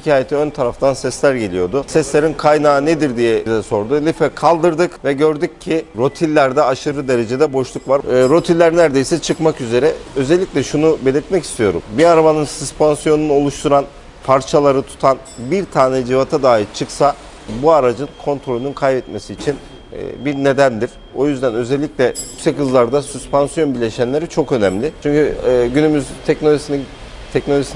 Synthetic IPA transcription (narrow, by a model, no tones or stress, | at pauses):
ʃicʰaːjet̪ʰiønt̪ʰaɾaft̪ʰansɛslʲæɾɟe̞lʲijo̞ɾd̪usɛslʲe̞ɾinkʰajnaːned̪iɾd̪ijɛd̪ɛso̞ɾd̪ulʲifɛkʰalˠd̪ɯɾd̪ɯkvɛɟø̞ɾd̪ycʰːiɾo̞t̪ʰilʲːæɾd̪ɛaʃɯɾɯd̪e̞ɾe̞d͡ʒe̞d̪ɛbo̞ʃlˠukvaɾɾo̞t̪ʰilʲːæɾnæɾd̪e̞jsɛt͡ʃʰɯkmakyze̞ɾɛø̞zɛlʲːiclʲɛʃunube̞lʲiɾt̪mɛci̥st̪ʰijo̞̰ɾṵmbiaɾabanɯnsuspʰansijo̞nunuo̞lˠuʃt̪ʰuɾan | pʰaɾt͡ʃʰalˠaɾɯt̪ʰu̥t̪ʰanbiɾt̪ʰaːnɛd͡ʒivat̪ʰad̪aːit͡ʃʰɯksa | buaɾad͡ʒɯnkʰo̞nt̪ɾo̞lʲynynkʰajbɛt̪me̞siːt͡ʃʰin̰ː | biɾne̞d̪ænd̪iɾ̥ | o̞jyzd̪ænø̞zɛlʲːicʲlʲɛjysɛchɯzlˠaɾd̪asyspansjo̞nbilʲe̞ʃænlʲe̞ɾit͡ʃʰo̞kø̞nɛmlʲɪt͡ʃʰyɲcyːɟynymyzt̪ʰɛcnoisin | t̪ʰɛcnoois